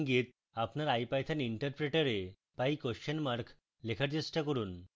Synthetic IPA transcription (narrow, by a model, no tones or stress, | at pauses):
ŋɡit̪̚ | apnaɾajpajt̪ʰaniɳʈəɾpɾeʈaɾe | pajkoənmaɾkʰ | lekʰaɾt͡ɕesʈakɔɾuːn